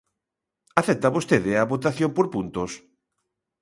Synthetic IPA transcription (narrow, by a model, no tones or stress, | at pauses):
aθɛt̪aβost̪eðeaβot̪aθjompoɾpunt̪os